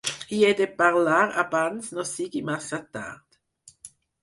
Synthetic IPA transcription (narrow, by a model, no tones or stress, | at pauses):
ied̪epaʁlaːʁabansnosiɡimasat̪a̰ʁd̪̥